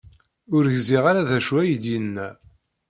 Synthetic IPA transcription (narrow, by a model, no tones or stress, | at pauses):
ʊɾʝziʁaɾaðæʃwæjəd̪jənːæ